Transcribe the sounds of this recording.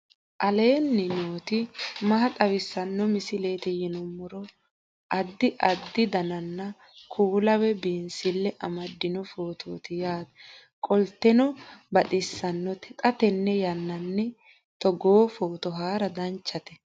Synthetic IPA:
ʔɐle̞ːnːɪnoːt̪ɪmɐɦɐt̪ʼɐwɪsːɐnːɔmɪsɪle̞ːt̪ɛjɛnɔmːɔɾɔ | ʔɐd̪ːɪʔɐd̪ːɪd̪ɐnɐnːɐ | kʰuːlɐwɛbiːnsɪlːɛʔɐmɐd̪ːɪnɔfo̞ːt̪ʰoːt̪ɪjaːd̪ | kʼɔlt̪ːɛnɔbɐt̪ʼɪsːɐnːɔt̪ʰɛkʼɐt̪ɛnːɛjɐnːɐnːɛ | t̪ɔɡoːfoːt̪ɔɦaːɾɐd̪ɐnt͡ʃːɐt̪ɛ̥

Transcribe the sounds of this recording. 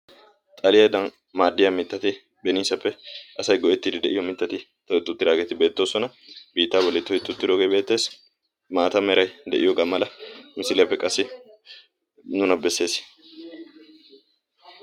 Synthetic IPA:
t̪ʼɐlɪjɐjd̪ɐn | maːd̪ːɪjamɪt̪ːɐt̪ɪ | bɛniːsɐpːɛʔɐsɐjɡɔʔɛt̪ːɪd̪ɪd̪ɛʔɪjɔmɪt̪ːɐt̪ɪ | t̪ɐɪt̪ʼːʊt̪ːɪd̪aːɡet̪ɪbe̞ːt̪ːo̞ːsɔnɐ | biːt̪ːaːbɔlːɛt̪ːɔɪt̪ːʊt̪ːɪd̪oɡejbe̞ːt̪ːe̞ːs | maːt̪ɐmɛɾɐjd̪ɛ̰ʔɪjɔɡɐmːɐlɐmɪsɪlɪjɐpːɛkʼɐsːɪ | nʊnɐbɛsːe̞ːs

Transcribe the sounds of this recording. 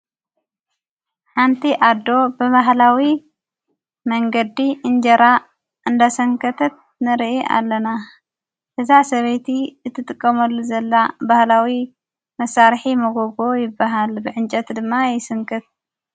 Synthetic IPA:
ħant̪ʰiʔad̪ːo̞bɨβaɦlawi | mɐŋɡɐd̪iʔɨnd͡ʒɐɾa | ʔɨnd̪asɐŋkʰɐt̪ʰɐt̪̚ | nɨɾʔiʔa̰lːɐna | hɨzaʕsɐβejt̪ʰiɨt̪ʰːɨt̪ʼɨkʼːɐmɐlːuzɐlːabahlawi | mɐsaɾħimɐɡoɡojɪbːaɦalbɨʕɨnt͡ʃʼɐt̪d̪ɨmːajɪsɨŋkʰɨt̪̚

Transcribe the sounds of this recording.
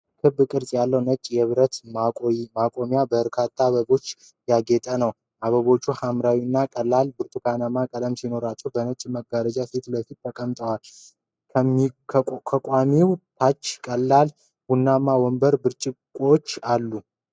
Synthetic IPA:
kʰɨbːkʼɨɾsʼjalːəwnət͡ʃʼːjɛβɨɾət̪mʼmakʼo̞mjabəɾkʰat̪ʰːaβəbo̞t͡ʃː | jaɡet̪ʼənəw | ʔaβəβo̞t͡ʃːuhamɾawinːakʼəlːalbɨɾt̪ʼukʰanamakʼələmsino̞ɾat͡ʃːɛwbənət͡ʃʼməɡaɾəd͡ʒaset̪ləfit̪̚t̪ʰːəkʼəmt̪ʼəwal | kʰəmikʰəkʼamiwt̪ʰat͡ʃːkʼəlːal | wunːamːawɔmbəɾbɨɾt͡ʃʼɪkʷʼot͡ʃːalːu

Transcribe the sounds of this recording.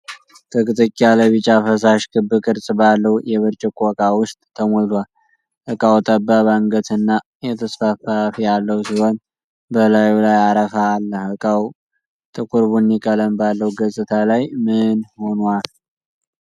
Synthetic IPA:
t̪ʰəkʼɨt̪ʼəkʼːialəβit͡ʃʼafəs̬aʃkʰɨbːɨkʼɨɾsʼbalːəwjɛβəɾt͡ʃʼəkʼɔkʼawʊst̪ʼt̪ʰːəmolwal | ʔəkʼawt̪ʼəbːaβaŋɡət̪ɨnːa | jɛt̪ʰəsfafafijalːəwsiho̞n | bəlajulajaɾəfaːlːəhəkʼaw | t̪ʼɨkʼuɾbunːikʼələmbalːəwɡəsʼɨt̪ʰalajmɨnho̞nwal

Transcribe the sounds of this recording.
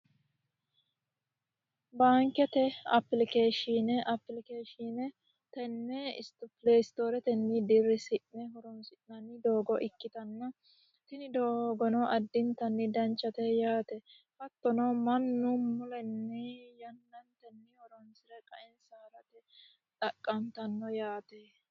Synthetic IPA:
baːŋkɛt̪ɛɐ̰pːlɪkeːʃinɛʔɐpːlɪkeːʃinɛ | t̪ɛnːɛɪ̰st̪ʊpɪleːst̪oːɾɛt̪ɛnːɪd̪ɪrːɪsɪʔnɛɦɔɾɔnsɪʔnɐnːɪd̪oːɡɔʔɪkːɪt̪ɐnːɐ | t̪ɪnɪd̪oːɡɔnɔʔɐd̪ːɪnt̪ɐnːɪd̪ɐnt͡ʃːɐt̪ɛjaːt̪ɛ | fɐt̪ːɔnɔmɐnːʊmʊlɛnːɛjɐnːɐnt̪ɛnːɪhɔɾɔnsɪɾɛkʼɐʔɪnsaːɾɐt̪ɛ | t̪ʼɐkʼːɐnt̪ɐnːɔjaːt̪ɛ

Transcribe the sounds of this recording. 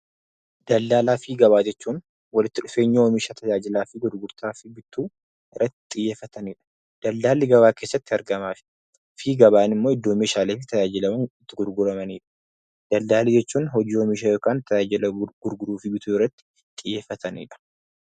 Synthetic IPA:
d̪̥ɐld̪aːlaːfiːɡɐβaːd͡ʒɛt͡ʃːuːn | wɐlɪt̪ːɪᶑʊfe̞ːɲːɪwɔmiːʃat̪ʰɐd͡ʒaːd͡ʒɪlaːfɪɡʊɾɡʊɾt̪aːfɪbɪt̪uː | ɪrːɐt̪ːɪ̥t̪ʼːɪjːeːfːɐt̪ɐniːᶑɐ̥ | d̪̥ɐld̪aːlːɪɡɐβaːke̞ːsːɐt̪ːɪɐɾɡɐmaːfɪ̥ | fiːɡɐβaːnɪmːoːɪd̪ːo̞ːmːeːʃaːleːfɪt̪ɐjaːd͡ʒɪlɐmɐnɪt̪ːɪɡʊɾɡʊɾɐmɐniːᶑɐ̥ | d̪̥ɐld̪aːlid͡ʒɛt͡ʃːuːnɦɔd͡ʒiːwɔmiːʃ̬ajo̞ːkaːnt̪ɐjaːd͡ʒɪlɐɡ̥ʊɾɡʊɾuːfɪbɪt̪uːɪrːɐt̪ːɪ̥ | t̪ʼːɪjːeːfːɐt̪ʰɐnḭːᶑɐ̥

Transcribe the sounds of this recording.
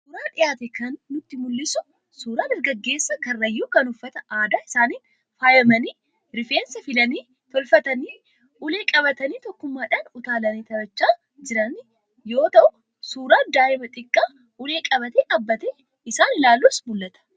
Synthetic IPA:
suːɾaːᶑɪjaːt̪ɛkɐnːʊt̪ːɪmʊlːɪsʊ | suːɾaːnɪɾɡɐɡːe̞ːsːɐkɐrːɐjːuːkɐnʊfːɐt̪ɐaːd̪aːɪsaːniːn | faːjɐmɐniː | ɾɪfeːnsɐfɪlɐniː | t̪ɔlfɐt̪ɐniː | ʔʊle̞ːkʼɐβɐt̪ɐniːt̪ɔkːʊmːaːᶑɐːnʊt̪aːlɐniːt̪ɐbɐt͡ʃːaː | d͡ʒɪɾɐnɪ | jo̞ːt̪ɐʔʊ | suːɾaːd̪aːʔɪmɐt̪ʼɪkʼːaː | ʔʊleːkʼɐbɐt̪ekʼɐbːɐt̪ɛ | ɪsaːnɪlaːlːuːsbʊlːɐt̪ɐ̥

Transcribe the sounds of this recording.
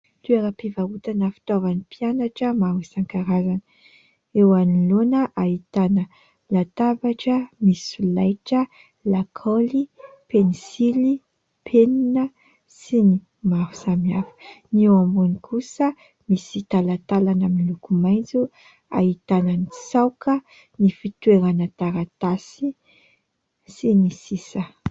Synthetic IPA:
t̪ueɾapivaut̪anəfi̥t̪ovanipianaʈ͡ʂəmawisaŋkaɾazanə | ewanilonəʔait̪anə | lat̪avaʈ͡ʂəmisulajʈ͡ʂə | lakʰolipenisili | pʰeninə | sini | mafu̥samiafə̥newambunikʰusə | misit̪alat̪alanəmilukumajnd͡zu | a̰ɦit̪anənisawkə | nifit̪weɾanat̪aɾat̪asi | sinisisə

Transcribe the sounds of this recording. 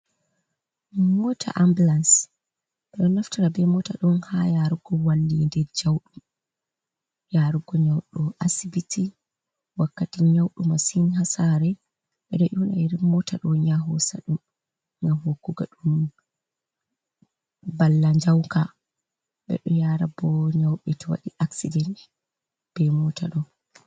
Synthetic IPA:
mɔtʰa̰ʔambulans | ɓɛɗɔnːaftaɾabɛmɔtaɗɔnhajaɾuɡɔwalːindɛɾd͡ʒawɗum | jaɾuɡɔɲawɗɔʔasibitʰi | wakːatiɲawɗumasinhasaɾɛ | ɓɛɗɔʔunajiɾimɔtʰaɗɔɲaɦɔsa̰ɗum | ɲaɦokːuɡaɗum | balːaɲd͡ʒawka | ɓɛ̰ɗɔjaɾabɔɲawɓɛtɔwa̰ɗiʔaksidɛnt | b̥ɛmɔta̰ɗɔ

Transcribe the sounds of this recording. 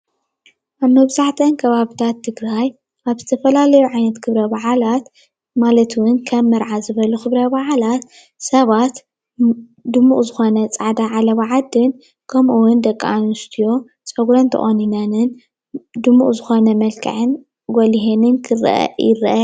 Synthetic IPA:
ʔanobɨzaħt̪ʰɐnkʰɐβaβit̪ʰat̪ʰːɨɡɾaj | ʔaβzɨt̪ʰɐfɐlalɐjuʕajnɐt̪kʰɨβɾɐbaʕalat̪ | malɐt̪ʰwʊnkʰɐmːɐɾʕazɨβɐluxɨβɾɐbaʕalat̪ | sɐβat̪ | d̪ɨmːuʔʼzɨxo̞nɐt͡sʼaʕd̪aʕalɐβaʕad̪ɨn | kʰɐmʔuwʊnd̪ɐkʼːanust̪ʰijo̞ | t͡sʼɐɡɾɐnt̪ʰɐ̰χʼoninɐnɨn | d̪ɨmːʔʼzɨxo̞nɐmɐlkʰɐ̰ʕɨn | ɡoliɦenɨnkʰɨɾɐ̰ʔɐ̰jɪɾ̰ʔɐ

